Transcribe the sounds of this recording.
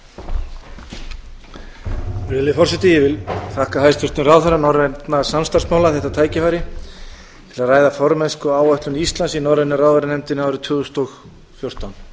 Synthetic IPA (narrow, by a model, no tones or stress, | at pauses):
ɾɪːlɪfɔr̥sɛt̪ɪjɛvɪlθʰahkahajst̪fʏrt̪ʏrawθaɾanɔwɾɛt̪nasamst̪ar̥smaːwlaθɛht̪at̪ʰaːjcɪfajɾɪ | t̪ʰɪlaðraːjðafɔɾmɛnskʏaːwœht̪lʏnist̪lansinɔwɾɛnʏrawðaɾɪnɛmt̪ɪnawɾʏt̪ʰʏːɣʏst̪ɔx | fjowr̥t̪awn